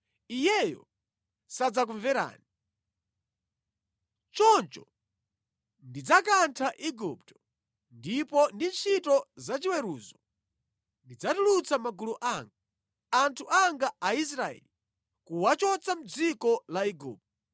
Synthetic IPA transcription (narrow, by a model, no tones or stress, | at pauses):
ijɛjɔ̰ | sad͡zak̬uɱvɛɾa̰ːni | t͡ʃɔnt͡ʃɔ̰ | ndid͡zakantʰaʔiɡup̚tɔ̥ | ndipɔndint͡ʃʰitɔzat͡ʃiwɛɾuːzɔ | ndid͡zatulut͡samaɡuluʔaŋɡa | antʰuʔaŋɡaais̬ɾaɛ̰li | kuwat͡ʃɔt͡sam̩d͡zikɔlaiɡṵːp̚tɔ